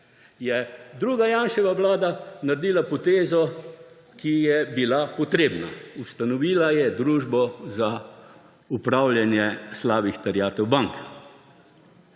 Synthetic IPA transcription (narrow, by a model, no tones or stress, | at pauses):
jɛd̪ɾuːɡajaːnʃɛʋaʋlaːd̪anaɾd̪iːlapɔt̪eːzɔ | kijɛbilapɔt̪ɾeːbna̰ust̪anɔʋiːlajɛd̪ɾuːʒbɔza | upɾaːwljanjɛslaːʋixt̪ɛɾjaːt̪ɛwbaŋk